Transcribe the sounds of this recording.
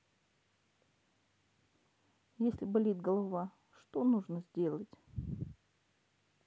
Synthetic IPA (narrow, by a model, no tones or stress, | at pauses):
jesʲlʲɪbɐlʲit̪ɡəlˠɐva | ʂt̪onuʐnəzʲdʲe̞lˠətʲ